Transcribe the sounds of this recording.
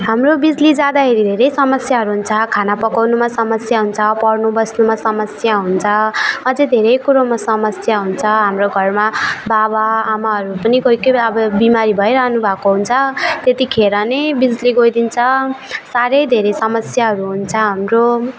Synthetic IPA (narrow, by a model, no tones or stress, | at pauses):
ɦamrobid͡zlid͡zad̪aɦeɾid̪ʱeɾʌjsʌmʌsjaɦʌɾuɦunt͡sʰʌkʰanapʌkawnumasʌmʌsjaɦunt͡sʰʌpʌrnubʌsnumasʌmʌsjaɦunt͡sʰʌʌd͡zed̪ʱeɾʌjkuɾomasʌmʌsjaɦunt͡sʰʌɦamroɡʱʌrmababaːmaɦʌɾupʌniɡojkʌʌbʌbimaɾibʱʌjɾaɦnubʱakoɦunt͡sʰʌt̪et̪ikʰeɾʌnebid͡zliɡojd̪int͡sʰʌsaɾʌjd̪ʱeɾʌjsʌmʌsjaɦʌɾuɦunt͡sʰʌɦamro